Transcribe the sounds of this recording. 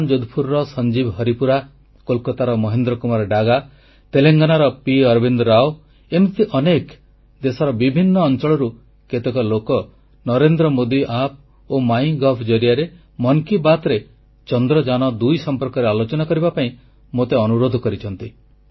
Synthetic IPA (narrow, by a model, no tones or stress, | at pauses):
nd͡ʒod̪ʱupʰuɾɾɔsɔnd͡ʒibɦɔɾipuɾa | kolkɔt̪aɾɔmɔɦend̪ɾɔkumaɾɖaɡa | t̪eleŋɡanaɾɔpiɔɾbind̪ɔɾao | emt̪iʔɔnek | d̪esɔɾɔbibʱinːɔːnt͡ʃɔɭɔɾu | ket̪ekɔlokɔ | nɔɾend̪ɾɔmod̪iʔap̚ʰ | omaj̃ɡɔpʰd͡ʒɔɾijaɾe | mɔŋkibat̪ɾe | t͡ʃɔnd̪ɾɔd͡ʒañɔd̪ujsɔmpɔɾkɔɾealot͡ʃɔnakɔɾibapaĩ | mot̪eɔnuɾod̪ʱɔkɔɾit͡ʃʰɔnt̪i